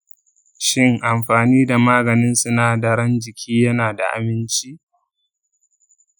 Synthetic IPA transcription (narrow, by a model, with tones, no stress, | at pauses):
ʃɪ˦ŋʔa˨mɸaː˨niː˦da˨maː˦ɡɐ˨nɪ˦nsʊ˦naː˨dɐ˨ɽɐ˦nd͡ʒɪ˨kʲʰiː˦jɐ˦naː˨da̰˨ʔa̰˨mɪ˦nt͡ʃi˦ʔ